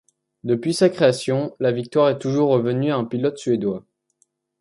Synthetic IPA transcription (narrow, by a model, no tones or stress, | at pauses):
d̪əpɥisakχeasjɔ̃lavik̚t̪waʁɛt̪uʒuʁːəvənyaɛ̃pilɔt̪sɥed̪wa